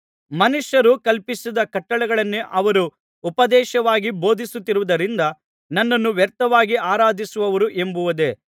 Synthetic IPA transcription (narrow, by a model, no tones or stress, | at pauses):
mɐnuʂjɐɾukɐlpisid̪ɐkɐʈːɐɭɛɡɐɭɐnːeʔɐʋɐɾuː | pɐd̪ɛːʃɐʋaːɡibo̞ːd̪ʱisut̪ːiɾuʋud̪ɐɾind̪ɐ | nɐnːɐnːuʋjɐɾt̪ɐʋaːɡiaːɾaːd̪ʱisuʋɐʋɐɾuʔe̞mbuʋɐd̪e̞